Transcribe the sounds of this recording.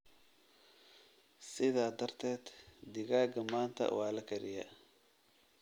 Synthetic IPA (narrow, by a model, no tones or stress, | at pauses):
sɪðaːd̪ɐrt̪ʰɛːd̪̥d̪ɪɣaːɡɐmaːnt̪ʰɐ̰wɑːlɐkʰɐɾɪjɐ̰